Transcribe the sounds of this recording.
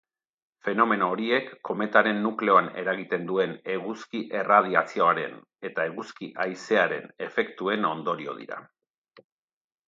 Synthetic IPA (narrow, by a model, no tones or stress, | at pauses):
fe̞no̞me̞no̞ːɾie̞kːo̞me̞t̪aɾe̞nːukle̞o̞ane̞̰ɾaɣit̪e̞nd̪ue̞ne̞ɣuskiʔe̞rað̞iat͡sio̞aɾe̞̰n | e̞t̪ae̞ɣuskiʔajse̞aɾe̞̰ne̞fe̞kt̪ue̞no̞nd̪o̞ɾio̞̰ð̞ḭɾa̰